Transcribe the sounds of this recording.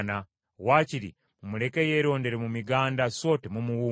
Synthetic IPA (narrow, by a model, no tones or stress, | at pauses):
na | waːciɾḭ | mule̞ke̞je̞ːɾo̞ːnde̞ɾemumiɡaːndaso̞ːtemumuwuː